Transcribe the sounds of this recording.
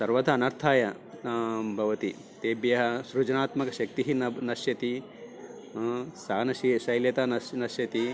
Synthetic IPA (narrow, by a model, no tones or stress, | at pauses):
sɐɾʋɐd̪ʱɐːnɐɾt̪ʰaːjɐ | bʱɐʋɐt̪i | t̪eːbjɐɦɐsɾud͡ʒɐnaːt̪mɐkɐʃɐk̚t̪iɦinɐnɐʃjɐt̪i | saːnɐʃiʃɐjljɐt̪aɐnɐʃjɐt̪i